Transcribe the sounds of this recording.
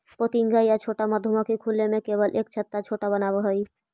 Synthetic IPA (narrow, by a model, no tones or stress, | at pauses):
pot̪iŋɡajat͡ʃʰoʈamad̪ʱːumãkikʰulːemẽkebəlʔek̚t͡ʃʰət̪ːat͡ʃʰoːʈabənabaɦəi